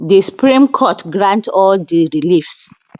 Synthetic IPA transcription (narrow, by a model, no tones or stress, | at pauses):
disu̥pɹĩmkʰɔtɡɹãntɔldiɹilifs